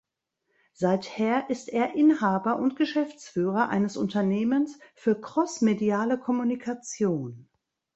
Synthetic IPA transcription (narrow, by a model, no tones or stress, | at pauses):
z̥aɪtheːɐʔɪsteːɐʔɪnhaːbɐʔʊntɡ̥əʃɛft͡sfyːʁɐʔa̰ɪnəsʔʊntɐneːmənsfyːɐkʁ̥ɔsmediaːləkʰɔmunikʰat͡sjoːn